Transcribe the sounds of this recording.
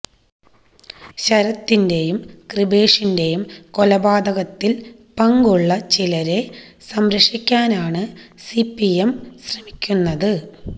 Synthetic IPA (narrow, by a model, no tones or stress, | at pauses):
ɕɐɾɐt̪ːinde̞jumkribe̞ːʂinde̞jumko̞lɐbaːd̪ɐɣɐt̪ːil | pɐŋɡuɭːɐt͡ɕilɐɾe̞ | sɐmɾɐʂikʲːaːnaːɳɨsipːijemɕrɐmikʲːunːɐðɨ